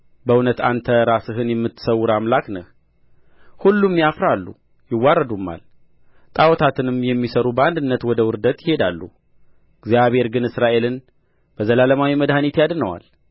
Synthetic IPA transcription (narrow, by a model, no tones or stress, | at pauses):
bəunət̪ant̪ʰəɾasɨɦɨnjɛmːɨt̪ːsəwʊɾamlaknə̰h | hulːumːjafɾalːṵ | jɪwːaɾəd̪umːa̰l | t̪ʼawɔt̪ʰat̪ʰɨnɨmjɛmːisəɾubəand̪ɨnːət̪wɔd̪əwʊɾd̪ət̪jɪhe̞d̪alːu | ɡzjaβhe̞ɾɡɨnɨsɾaʔe̞lɨn | b̥əzəlaləmawiməd̪hanit̪jad̪nəwa̰l